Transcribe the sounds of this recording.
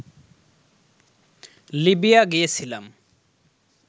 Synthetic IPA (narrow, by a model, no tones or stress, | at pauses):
libijaɡijet͡sʰilam